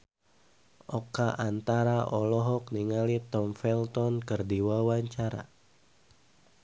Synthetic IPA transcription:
ʔɔkaʔant̪aɾaʔɔlɔɦɔk̚niŋalit̪ɔmfɛlt̪ɔnkɨrdiwawaɲt͡ʃaɾa̰

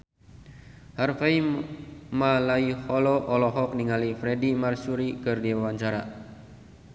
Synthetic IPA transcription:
harfai | malaihɔlɔʔɔlɔɦɔk̚niŋalifɾɛdimarsuɾikɨrdiawaɲt͡ʃaɾa̰

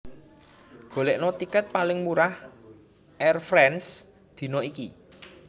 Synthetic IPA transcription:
ɡ̥o̤leʔnɔt̪ikət̪̚palɪŋmuɾah | ʔɛrfɾɛns | d̪̥i̤noiki

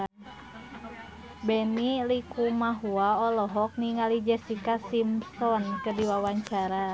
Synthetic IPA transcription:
bɛnilikumaɦuaɔlɔɦɔk̚niŋalid͡ʒɛsikasimsɔnkədiwawaɲt͡ʃaɾa

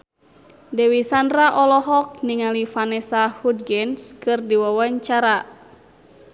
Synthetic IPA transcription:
dɛwisandɾaʔɔlɔɦɔk̚niŋalifanɛsahud̚ɡɛnskɨrdiwawaɲt͡ʃaɾa

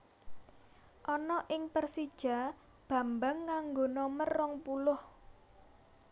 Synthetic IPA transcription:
ʔɔnɔʔɪŋpərsid̥ʒ̥a̤ | b̥ä̤mbaŋːaŋɡonɔmərːɔŋpulʊh

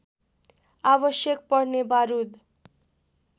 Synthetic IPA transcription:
abʌsjʌk̚pʌɽnebaɾud̪

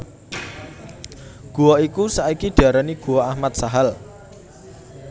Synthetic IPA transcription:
ɡ̥ṳɔikusaikiɖ̪̥a̤ɾaniɡ̥uwɔahmat̪̚saɦal

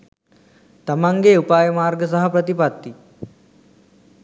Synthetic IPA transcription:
t̪əmãŋɡeupajmaɾɡəsəɦəpɾət̪ipat̪ːiː

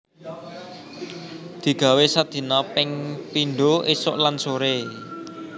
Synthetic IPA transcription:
d̪̥i̤ɡ̥ä̤wesad̪̥i̤nɔpɪŋpiɳɖoʔisʊ̰ʔlansoɾe

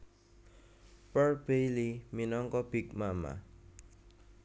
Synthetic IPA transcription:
pəɹbejliminɔŋkɔb̥ikmama̰

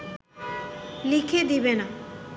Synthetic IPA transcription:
likʰed̪ibena

